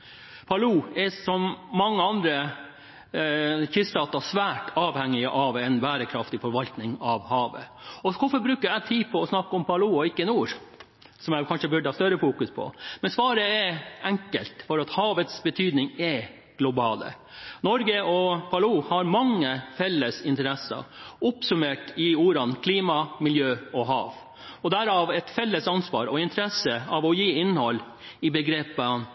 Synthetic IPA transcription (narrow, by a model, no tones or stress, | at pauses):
pʰɑluːɛsɔmːɑŋːəɑnd̪ɾə | çʏst̪ɑːt̪ɑsʋæːʈʰɑːʋhɛŋːɪəʔɑʋɛnbæːɾəkʰɾɑft̪ɪfɔɾʋɑlt̪nɪŋɑʋhɑːʋə̰ | ɔkʰʊfɔɾbɾʉːkəæt̪ʰiːpʰɔɔsnɑkːəɔmpʰɑluːɔɪkːənuːɾ | sɔmjæɪkʰɑnʂəbʉɖəhɑːst̪œɾəfuːkʉspʰɔ̰mɛnsʋɑːɾəɛɛŋkə̰lt̪fɔɾɑt̪hɑːʋət̪sbət̪ʰyːd̪nɪŋɛ | ɡ̥lʊbɑːlə̰ | nɔɾɡəɔpʰɑluːhɑɾmɑŋːəfɛlːəsɪnt̪əɾɛsə̰ʊpsʉmeːʈɪuːɾɑnkʰliːmɑmɪljøːɔɦɑ̰ːʋ | ɔd̪æɾɑːʋɛt̪fɛlːəsɑnsʋɑ̰ːɾɔɪnt̪əɾɛsəɑʋɔjiːɪnːhɔlː | ɪbəɡɾeːpə